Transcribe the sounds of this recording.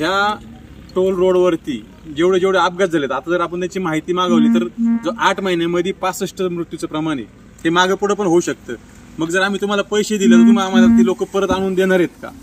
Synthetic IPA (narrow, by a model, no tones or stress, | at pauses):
ɦja | ʈolɾoɽʋəɾt̪ḭː | d͡ʑeʋɽed͡ʑeʋɽ̤eap̚ɡat͡sd͡zʱalet̪at̪ad͡zəɾapəɳt̪jat͡ɕiːmaɦit̪iːmaɡaʋliːt̪əɾd͡zoʔaʈʰməɦinaməd̪ʱepat͡səʂʈəmɾut̪jut͡səpɾəmaɽ̃ḛ | ɦemaɡəpəɽ̤əp̬əɳɦouːɕək̚t̪əː | məɡ̚d͡zəɾam̤iːt̪um̤alapəjɕed̪iljat̪ət̪iːmaamad̪akt̪iːlokəpəɾət̪aɽ̃uːnd̪eɽ̃aɾjet̪̚ka̰